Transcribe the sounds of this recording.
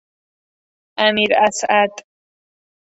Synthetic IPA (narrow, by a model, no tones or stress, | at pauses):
amiɾasʔat̪ʼ